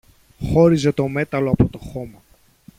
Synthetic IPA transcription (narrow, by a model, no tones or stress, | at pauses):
xo̞ɾize̞t̪o̞me̞t̪ɐlo̞ɐpo̞t̪o̞xo̞mɐ